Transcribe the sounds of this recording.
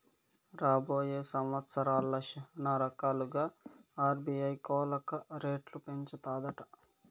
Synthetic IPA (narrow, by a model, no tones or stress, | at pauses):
ɾaːboːjeːsɐmʋɐt̪sɐɾaːlːɐʃɐnaːɾɐkaːluɡaːaːɾbiɐjkoːlɐkɐɾeːʈlupeɲt͡ʃɐt̪aːd̪ɐʈɐ̥